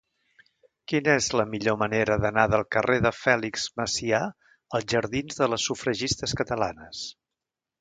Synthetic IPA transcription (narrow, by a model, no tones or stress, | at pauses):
kinəezləmiʎoməneɾəðənaðəlˠkərʔeðəfɛlikz̥məsia | əlˠʒəɾðinzðələsːufɾəʒist̪əskət̪əlanəs